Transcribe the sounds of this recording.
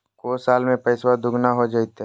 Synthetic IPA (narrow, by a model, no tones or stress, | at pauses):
koːsaːlmẽpɐɪswad̪ʊɡʱnaɦod͡ʒaːit̪ɦ